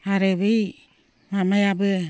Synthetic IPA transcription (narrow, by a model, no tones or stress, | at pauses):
aɾeβej | mamajabɯ